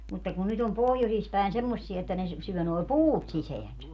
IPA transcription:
mutːɑ kun nyt om pohjosis pæˑen semːosːiɛ etːæ ne syø noi̯ puːt siseænsæ

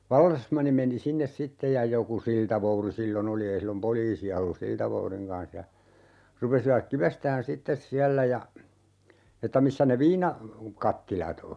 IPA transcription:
ʋɑlːesmɑnːi meni sinːes sitːej jɑ joku siltɑʋouri silːon oli ei silːom poliːsiɑ olːus siltɑʋouriŋ kɑn̞s jɑ rupesiʋɑk kiʋestæːn sitːes siælːæ jɑ etːæ misːæ ne ʋiːnɑ kɑtːilɑt o

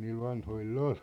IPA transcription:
niːl ʋɑnhoilː ol

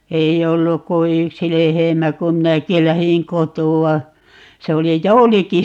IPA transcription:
ei olːuk ku yksi lehemæ kum minæki læhiŋ kotuɑ se oli jouliki

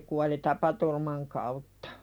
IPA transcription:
kuɑli tɑpɑturmɑn kɑutːɑ̥

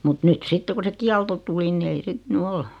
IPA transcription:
mut nyt sitːe ku se kiɑlto tuli ni ei sit ny ol

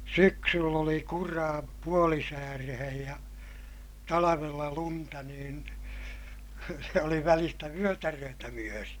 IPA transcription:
syksylː oli kurɑː puolisæːrehej jɑ tɑlɑʋelːɑ luntɑ niːn se oli ʋælistæ ʋyøtærøːtæ myøri

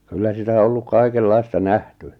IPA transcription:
kylːæ sitæ o olːuk kɑikelːɑistɑ næhty

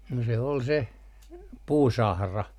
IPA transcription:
no se ol se puːsɑhrɑ

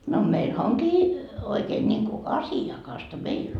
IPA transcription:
no meilhæ oŋkiː oikeːn nʲiŋku ɑsiɑkɑstɑ meilː

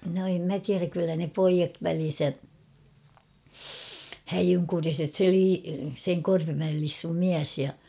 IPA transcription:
no em mæ tiæræk kylːæ ne poijɑt ʋælin̞sæ hæjyŋkuriset se liː seŋ korpimæel lisːum miæs jɑ

